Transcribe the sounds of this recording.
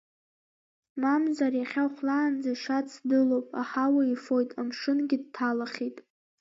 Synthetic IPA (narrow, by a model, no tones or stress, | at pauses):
mamzarjaχʲawχʷlaːnd͡zaʃat͡sʰdɨlowpʼa̰ħawaifo̞jtʼamʂɨnɡʲɪd̚tʰalaχʲitʼ